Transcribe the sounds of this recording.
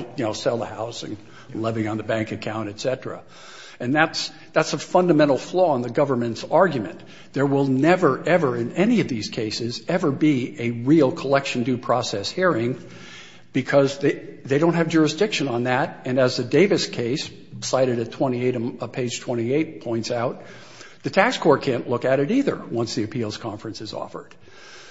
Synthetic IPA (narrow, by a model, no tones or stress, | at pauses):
jɨnoʊsɛlˠðə̰haʊzɪ̰̃ŋ | lɛvɪ̃ŋə̃nðəbæ̃ŋkɨkʰãʊ̃nɾ̃ɨtsɛɾɹɨ̰ | ɨ̃nðæts | ðætsəfʌ̃ndɨmɛ̃ɾ̃l̩ˠflɔə̃nðɨɡʌvə˞mɨ̃ntsɑɹɡjɨmɨ̰̃n | ðə˞wɪlˠnɛvə˞ʔɛvə˞ɨ̃nɛniʌvðiz̥kʰeɪsɨzɛvə˞biɨɹilˠkʰəlɛkʃn̩dʉpʰɹ̥ɔsɛshiɹɪ̃ŋ | b̥ɨkʰʌzððeɪɾõʊ̃nthɨvd͡ʒʊɹɨsd̥ɪkʃɨ̃nə̃nðæɾɨ̃nɨzðɨdeɪvɨskʰeɪsː | aɪɾɨɾɨtʰw̥ɛ̃ɾ̃ieɪɾɨ̃ʌpʰeɪd̥ʒ̥tʰw̥ɛ̃ɾ̃ieɪt̚pʰɔ̃ɪ̃ntsaʊt̪̚ | ðɨtʰækskʰɔɹ̚kʰæ̃nʔlʊkɨɾɨɾiðə̰˞wʌ̃nsðiɨpʰilˠz̥kʰɑ̃ɱfɹɨ̃nsɨzɔ̰fə̰˞d̥